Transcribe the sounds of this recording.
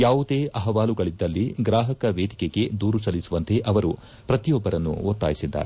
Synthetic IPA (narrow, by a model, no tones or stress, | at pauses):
jaːʋud̪eːʔɐɦɐʋaːluɡɐɭid̪ːɐlːiɡɾaːɦɐkɐʋeːd̪ikeɡe̞d̪uːɾusɐlːisuʋɐnt̪e̞ʔɐʋɐɾu | pɾɐt̪ijɔbːɐɾɐnːṵot̪ːa̰ːjisid̪ːɐ̰ɾ